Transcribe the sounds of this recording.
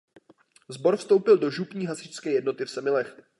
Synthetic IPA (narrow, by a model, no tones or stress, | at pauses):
zbo̞ɾfst̪o̞wpɪldo̞ʒupɲiːɦasɪt͡ʃskɛːjɛdno̞t̪ɪfsɛmɪlɛx